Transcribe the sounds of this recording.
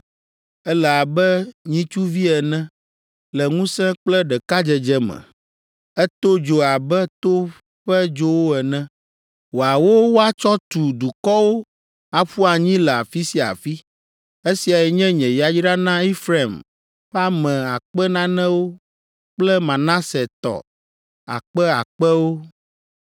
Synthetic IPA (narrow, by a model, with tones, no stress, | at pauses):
ɛ˦lɛ˨a˨bɛ˦ɲĩ˦t͡ʃu˦vi˦ɛ˨nɛ̃˦ | lɛ˨ŋũ˦sɛ̃˦k͡plɛ˦ɖɛ˨ka˦d͡ʒɛ˨d͡ʒɛ˦mɛ̰̃˨ | ɛ˦t̪o˦d͡ʒo˨a˨bɛ˦t̪o˦ | ɸɛ˦d͡ʒo˦wo˦ɛ˨nɛ̃˦ | wo˨a˨wo˦wo˦a˦t͡ʃɔ˦t̪u˨d̪u˨kɔ˦wo˦ | a˨ɸu˦a˨ɲĩ˦lɛ˨a˨fi˦si˨a̰˨fi˦ | e˦si˨a˨jɛ˨ɲɛ̃˦ɲɛ̃˨ja˨d͡ʒɖa˦nã˦i˦fɾa˨m | ɸa˦mɛ̃˨a˨k͡pɛ˦nã˦nɛ̃˦wo˦ | k͡plɛ˦mã˨nã˦sɛ˨t̪ɔ̰˨ | a̰˨k͡pɛ˦a̰˨k͡pɛ˦wo˦